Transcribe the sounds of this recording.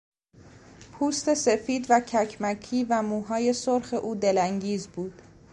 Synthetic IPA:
pʰuːst̪e̞se̞fiːd̪væcʰæcʰmæcʰiːvæmuːɦɒːje̞soɾxe̞ʔuːd̪elæŋɟiːzbuːd̪̥

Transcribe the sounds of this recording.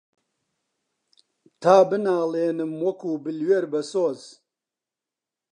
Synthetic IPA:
t̪ʰaːbɨnaːleːnɨmwɐkuːbɨlweɾbɐsoːz

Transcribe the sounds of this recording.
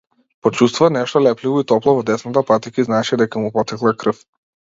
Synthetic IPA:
pɔt͡ʃust̪vuvanɛʃt̪ɔlɛplivɔit̪ɔplˠɔvɔd̪ɛsnat̪apat̪ikiznat͡ʃid̪ɛkamupɔt̪ɛklˠakɾɤf

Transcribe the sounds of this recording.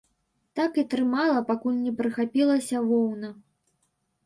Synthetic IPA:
t̪akit̪ɾɨmalˠɐpakulʲnʲɛpɾɨxapʲilˠɐsʲɐvɔwnɐ

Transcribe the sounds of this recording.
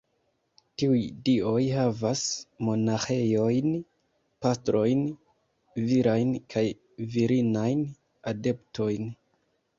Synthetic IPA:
tiujdio̞jhavasmo̞naxe̞jo̞jn | pastɾo̞jn | viɾajnkʰaj | viɾinajn | ade̞ptʰo̞jn

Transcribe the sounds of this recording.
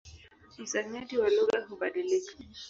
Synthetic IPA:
isaɲadiwaluɣaɦuɓaɗilikḁ

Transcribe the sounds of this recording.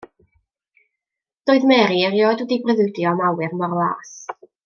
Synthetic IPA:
d̥oːɨðmɛɾiərjɔːdwədibrəðɨdjɔmawɨrmɔrlˠa̰ːs

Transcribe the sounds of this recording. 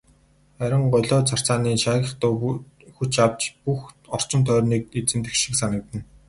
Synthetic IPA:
æɾʲɪ̆ɴɢɔjɮɔːt͡sʰar̥t͡saːniːʃaːɣʲə̆χt̪ʊː | xut͡ɕawt͡ɕpuxɔr̥t͡ɕɪ̆nt̪ʰœːrniːk̚et͡sɘ̆mt̪ɘ̆kʃĭ̥ksanə̆k̚t̪ɘ̆n

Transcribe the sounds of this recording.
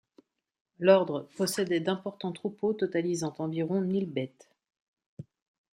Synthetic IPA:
lɔʁd̪ʁəpɔsɛd̪ɛd̪ɛ̃pɔʁt̪ɑ̃t̪χupot̪ɔt̪alizɑ̃t̪ɑ̃viʁɔ̃nilbɛt̪

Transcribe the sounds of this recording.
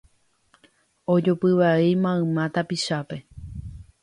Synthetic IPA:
od͡ʒopɨʋaejmãɨ̃mãt̪apiʃape̞

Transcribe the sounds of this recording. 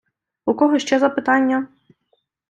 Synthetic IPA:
ukɔɦɔʃt͡ʃɛzɐpɪt̪ɑnʲːɐ

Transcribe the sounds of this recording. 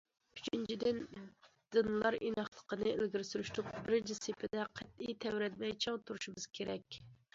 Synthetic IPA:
yt͡ʃʰint͡ʃʰid̪ɪn | d̪̥ɨnlˠɑɾʔḭnɑχlˠə̥qənɨelɡʲiɾsyɾyʃt̪ʰup̚bɪɾd͡ʒɪsepʰɪd̪ɛqʰæt̪̚ijt̪ʰɛwɾɛt̪mɛjt͡ʃʰɑŋt̪ʰuɾuʃumɨz̥kʲʰeɾɛkʲ

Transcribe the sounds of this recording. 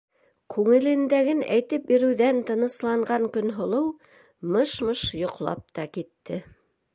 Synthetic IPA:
kʉŋɘ̆lɘ̆nd̪æɡɘnæ̰jt̪ɘp̚biɾɘ̆wðænt̪ɤ̆nɤ̆slˠɑɴɢɑŋkɵ̆nɦŏlˠɤw | mɤʃmɤʃjŏqlˠɑ̰p̚t̪ɑkit̪ːɘ

